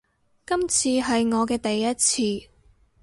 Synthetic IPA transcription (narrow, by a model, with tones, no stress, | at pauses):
kɐ˥mt͡sʰiː˧ɦɐ˨jŋɔː˨˧kɛː˧t̪ɐ˨jːɐ˥t̚t͡sʰiː˧